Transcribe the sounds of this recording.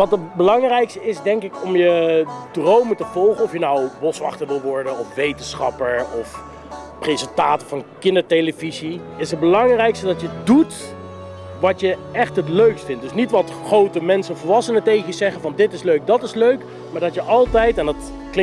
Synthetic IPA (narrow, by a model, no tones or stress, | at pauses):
ʋɑtəbəlɑŋrɛjkstəɪsdɛŋkɪkɔmjədrowmətəvɔlˠχəɔfjənawʋɔsʋɑ̰χtəɹʋɪlˠʋɔɹdənɔfʋejtənsχɑ̰pəɹɔf | presəntaːtəvɑnkɪndəɹtejləvizi | ɪsɦəd̚bəlɑŋrɛjkstədɑtjədut | ʋɑtjəɛχtɦətløɥkstfɪ̃nt̚dɵsnitʋɑt | χrowtəmɛnsənvəlˠʋɑsənətejχəjəzɛχənvɑndɪtɪsløɥk̚dɑtɪsløɥk | maːɹdɑtjəʔɑlˠtɛjtɛndɑt | klɪ